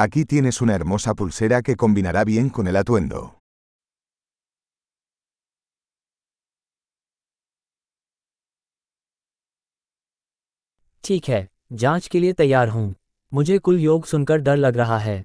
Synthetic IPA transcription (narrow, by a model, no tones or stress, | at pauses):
akit̪je̞ne̞sunaeɾmosapulseɾake̞ko̞mbinaɾaβje̞ŋkonelat̪wẽ̞nd̪o̰ | ʈʰiːkɦɛː | d͡ʒãːt͡ʃkeliet̪ɐjːaːɾɦũː | mʊd͡ʒʱekʊljoːɡsʊnkəɾd̪ɐɾlɐɡɾɐɦaɦɛː